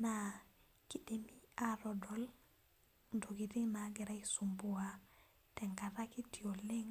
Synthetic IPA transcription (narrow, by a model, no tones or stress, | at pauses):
na | kiɗemiaɾɔdɔl | ndoɡitinaɡɛɾajsumbuwa | teŋkaɾakitioleŋ